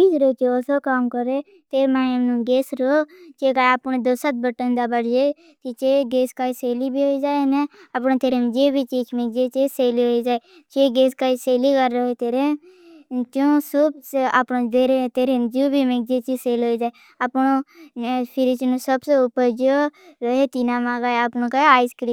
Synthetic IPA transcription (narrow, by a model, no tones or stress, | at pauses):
t͡ʃiːd͡ʒɾot͡ʃooːsokamkəɾe | t̪eːɾmãːəmnũːɡeːsɾot͡ʃeːkaːaːpnd̪osət̪̚bəʈənd̪abəɽd͡ʒeː | k̪it͡ʃeːɡeːskaːiseːlibʱiːɦoːid͡ʒaːeneapnõːt̪eːɾend͡ʒeːbʱiːt͡ʃiːt͡ʃʰmek̚d͡ʒet͡ʃeːseːliɦoːid͡ʒaːe | t͡ʃeːɡeːskaiseːliːkəɾːoɦeːt̪eːɾe | t̪jõːsubapnõd̪eːɾet̪eːɾend͡ʒoːbʱiːmeɡ̚d͡ʒeːt͡ʃiːseːlɦoːid͡ʒaːe | əpnõː | pʰɪɾit͡ʃnõːsəbseʊpəɾd͡ʒoːɾəɦeːt̪iːnaːmãːɡaːeapnõːkaeaːiskɽiː